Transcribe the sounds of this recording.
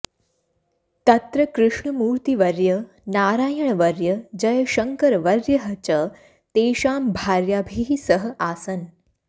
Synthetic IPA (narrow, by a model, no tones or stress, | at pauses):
t̪ɐt̪ɾəkɾuʂɳəmuːɾt̪iʋɐɾjə | naːɾaːjəɳʋɐɾjəd͡ʑɐjʃəŋkəɾʋɐɾjəɦɐt͡ʃə | t̪eːʃaːmbʱaɾjabʱisəɦəʔaːsən